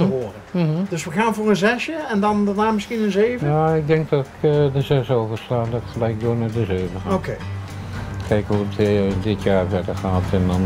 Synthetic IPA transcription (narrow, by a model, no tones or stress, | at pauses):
əʋoərədøsʋəɣaːnvoːrənzɛsjəɛndɔndənaːmɪskiənənzeːvjəaɪk̚dɛŋk̚dɔkdəzɛsoːfəstaːndɔtxəlɛjk̚doːnadəzøːvəxaokeː | kʰɛjkhuətdɪtʰjaːrfɛdəɹxaːtɛndɔn